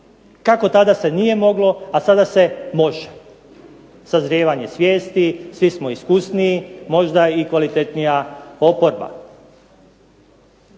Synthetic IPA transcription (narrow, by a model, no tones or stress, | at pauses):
kako̞t̪ad̪ase̞nije̞mo̞ɡlo̞asad̪ase̞mo̞ʒe̥ | sazɾjeːʋaɲe̞sʋje̞ːst̪isʋismoiskusniːmo̞ʒd̪aikʋalit̪et̪nijaopo̞ɾba̰